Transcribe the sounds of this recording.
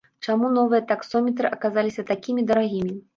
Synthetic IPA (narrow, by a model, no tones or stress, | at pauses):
t͡ʂamunɔvɨjɐt̪aksɔmʲɛt̪ɾɨʔɐkazalʲisʲɐt̪akʲimʲid̪ɐɾaɣʲimʲi